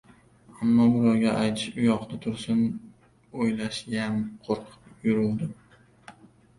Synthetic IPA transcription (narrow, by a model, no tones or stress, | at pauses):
amːɒbʊɾɒɾɡʲaʔajt̪ʰɪʃʊjɒqnɪt̪ʰʊɾsɪn | ojlaʃjanqʰoɾqʰɨ̥pjʊɾʊlˠd̪ɪm